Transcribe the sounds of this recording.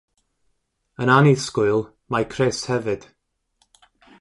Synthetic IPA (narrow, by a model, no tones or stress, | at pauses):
ənaniskʊlˠ | majkʰreːshɛvɨd̥